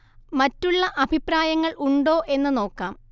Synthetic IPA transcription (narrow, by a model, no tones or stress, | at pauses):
mɐtːuɭːɐʔɐbʱipraːjɐŋːɐɭʔuɳɖo̞ːʔe̞nːɨno̞ːkːaːm